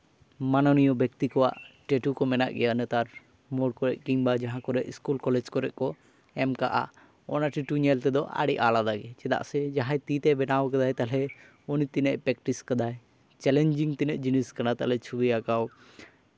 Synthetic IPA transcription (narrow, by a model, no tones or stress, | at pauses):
manɔnijɔbɛk̚t̪ikɔwa̰ʔʈeʈukɔmɛna̰ʔɡɛjanɛt̪aɾ | mɔɽkɔɾɛʔ̚kiŋbad͡ʒaɦãkɔɾɛʔiskulkɔlɛd͡ʒkɔɾɛʔ̚kɔ | ɛmkaʔa̰ | ɔnaʈiʈuɲɛlt̪ɛd̪ɔʔa̰ɽiʔalad̪aɡɛt͡ʃɛd̪a̰ʔsɛd͡ʒaɦajt̪it̪ɛbɛnawkad̪ajt̪alɛ | ɔnit̪inɛʔpɾɛk̚ʈiskad̪aj | t͡ʃɛlɛɲd͡ʒiŋt̪inɛʔ̚d͡ʒiniskanat̪a̰ʔlɛt͡ʃʰubɛjakaw